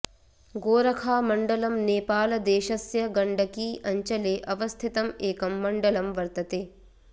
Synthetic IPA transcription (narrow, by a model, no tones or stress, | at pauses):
ɡoːɾɐkʰaːmɐɳɖɐlɐmneːpaːlɐd̪eːʃɐsjɐɡɐɳɖʱɐkiːʔɐɲt͡ʃɐleːʔɐʋɐst̪ʰɪt̪ɐmeːkɐmːɐɳɖɐlɐmʋɐɾt̪ɐt̪eː